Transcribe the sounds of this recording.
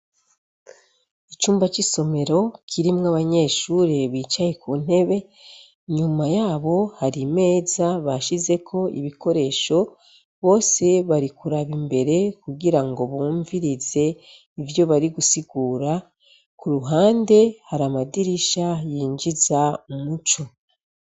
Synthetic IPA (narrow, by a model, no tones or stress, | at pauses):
it͡ʃuːmbat͡ʃiso̞me̞ɾo̞kʰiɾimŋaβaɲe̞ːʃuɾeβiːt͡ʃaje̞kun̥e̞βe̞ | ɲumajaːβo̞haɾime̞ːzaβaʃize̞kʰo̞ḭβiko̞ɾe̞ːʃo̞ | βo̞ːse̞βaɾikuɾaβimbe̞ɾe̞kuɡiɾaŋɡo̞βuːɱviɾize̞ | ivjo̞βaɾiɡusiɡuːɾa | kuɾuɦaːnde̞haɾamadiɾiʃajiːɲd͡ʒizaumut͡ʃo